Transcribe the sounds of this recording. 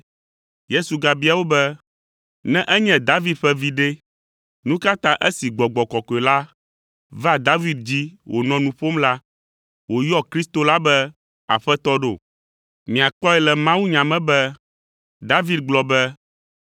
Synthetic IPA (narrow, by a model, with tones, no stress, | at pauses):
je˦su˨ɡa˨bi˦a˨wo˦bɛ˦ | nɛ̃˦ʔɛ˦ɲɛ̃˦d̪a˦vi˦d̪̚ɸɛ˦vi˨ɖe˦ | nũ˦ka˦t̪ã˦ʔɛ˦si˨ɡ͡bɔ˨ɡ͡bɔ˨kɔ˨kɔ˨e˨la˦ | vɛ˦a˨d̪a˦vi˦d̪̚d͡ʑi˦wʔo˨nɔ̃˦nũ˦ɸo˦mla˦ | wo˨jɔ˦kɾi˦st̪o˦la˦bɛ˦ | a̰˨ɸɛ˦t̪ɔ˦ɖo̰˨ | mĩ˨a˨k͡pɔ˦ɛ˨lɛ˨mã˦wu˦ɲã˨mɛ̃˦bɛ˦ | d̪a˦vi˦d̪̚ɡ͡blɔ˨bɛ˦